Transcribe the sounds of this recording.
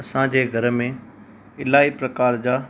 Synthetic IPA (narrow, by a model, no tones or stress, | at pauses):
ɐsãd͡ʑeːɡʱɐɾmẽ | ɪlaːipɾɐkaːɾd͡ʑaː